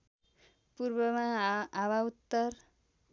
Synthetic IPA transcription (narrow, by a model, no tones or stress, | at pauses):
puɾbʌmãːwaut̪ːʌr